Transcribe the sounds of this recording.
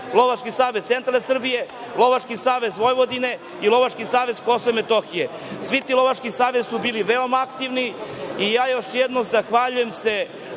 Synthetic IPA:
lˠo̞ʋat͡ʃkisaːʋezt̪se̞nt̪ɾalsr̩bije̞ | lˠo̞ʋat͡ʃkisaːʋe̞zʋo̞jʋo̞d̪ine̞ | ilo̞ʋat͡ʃkisaːʋe̞zko̞soʋemet̪o̞xije | sʋit̪iːlo̞ʋat͡ʃkisaːʋezsubiːliʋeo̞maakt̪iʋniijaːjo̞ʃjed̪nozaxʋaʎujemse̞

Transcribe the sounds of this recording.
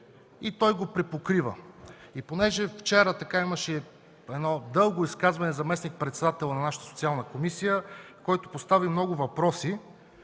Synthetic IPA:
it̪ɔjɡopɾɛpokɾivə̰iponɛʒɛft͡ʃɛɾət̪ɐkaiməʃɛ | ɛd̪nɔd̪ɤlˠɡoiskazvɐnɛzɐmɛsnik̚pɾɛt̪sɛd̪at̪ɛlˠnɐnaʃə̥t̪əsot̪ialˠnəkomisijəkɔjt̪opost̪avimnɔɡʊvɐpɾɔsi

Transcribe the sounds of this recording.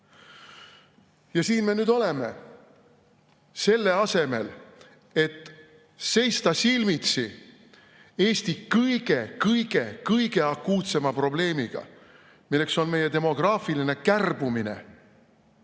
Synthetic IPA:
jɑsiːnme̞nyːd̪o̞le̞me̞̰ | se̞lːe̞ɑse̞me̞̰l | e̞t̪ː | se̞jst̪ɑsilmit̪si | e̞ːst̪ikɤjɡ̥e̞kɤjɡ̥e̞kɤjɡ̥e̞ɑkːuːt̪se̞mɑpro̞ble̞ːmiɡ̥ɑ̰ | milːe̞kso̞nme̞jet̪e̞mo̞ɡ̥rɑːfiline̞kærb̥umine̞̰

